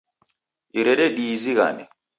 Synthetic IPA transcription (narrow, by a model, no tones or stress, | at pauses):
iɾɛɾɛɗiːziɣa̰nɛ